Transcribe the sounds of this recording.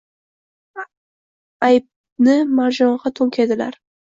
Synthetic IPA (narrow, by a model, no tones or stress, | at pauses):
ajp̚ | nɪmaɾʒɒɴʁɑt̪ʰoŋkʲʰed̪ɪla̰ɾ